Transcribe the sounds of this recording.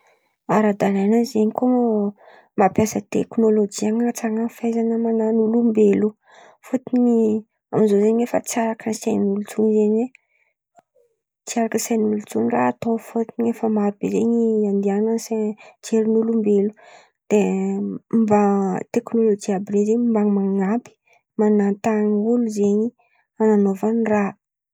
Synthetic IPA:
aɾad̪alajnazeɲiko | mapjasət̪eknolod͡ʒiaŋat͡saŋafajzanəmananulumbelu | fut̪ini | amizozeɲiefət͡siaɾakansajnulut͡sunizeɲe | t͡siaɾakəsajnulut͡sunraːt̪ofot̪inefəmaɾbezeɲiand̪ianansat͡seɾinulumbelu | d̪̥e | mbat̪eknolod͡ʒiabiɾezembaŋmaŋabi̥ | manant̪anuluzeɲi | ananovanra

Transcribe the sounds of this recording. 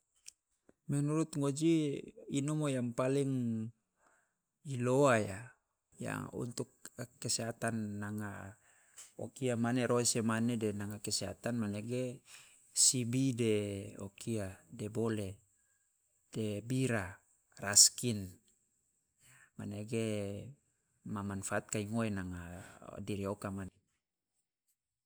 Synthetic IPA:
mɛnuɾut̪ŋod͡ʒiinomojaŋpaliŋ | iloaja | ja̰ṵnt̪ukkːɛseɦat̪anːaŋa̰ | o̰kiamaneɾosemanedɛnaŋakɛsiɦa̰t̪anmaneɡe | sibideokiadebole | d̥ebiɾa | raskin | maneɡe | mamanfaːt̪̚kaiŋoenaŋa̰diɾiokamane

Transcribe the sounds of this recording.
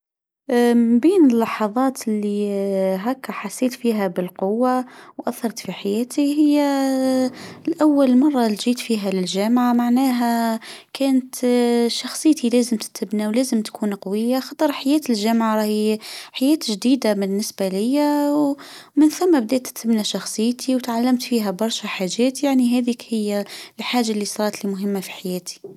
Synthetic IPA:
biːnəlːɑħɑðˤɑːt̪lːiɦæːkːħasːiːt̪fiɦæbɪlqʊwːawʔæθːɑɾˤt̪fiħajæːt̪ihɪjːæ | lʔawːalmɑrˤːɑʒiːt̪fiːɦælɪlʒæːmʕamaʕnæːɦækʰæːnət̪ʃɑxsˤɨjt̪ʰilæːzəmt̪ɪ̥t̪ʰːɪbnawlæːzəmt̪kʰuːnqɑwɪjːaxɑt̪ˤɑɾˤħajæːt̪ɪlʒæːmʕaɾˤɑhiħajæːt̪ʒd̪iːd̪abɪnːɪsbalɪjːaw | mɪnθamːabd̪æːt̪ːt̪ʰːɪbnaʃɑxsˤəjːt̪ʰiwt̪ʕalːɪmt̪fiːɦæbɑɾˤʃaħaʒæːt̪jaʕniɦæːd̪ikhɪjːalħaːʒːalːisˤɑɾˤɑːt̪limʊɦɪmːafi̥ħajæːt̪ʰi̥

